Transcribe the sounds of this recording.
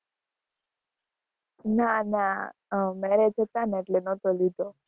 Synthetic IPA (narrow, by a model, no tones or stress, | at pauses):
nana | mɛɾed͡ʒʰət̪aneʈlenɔt̪olid̪o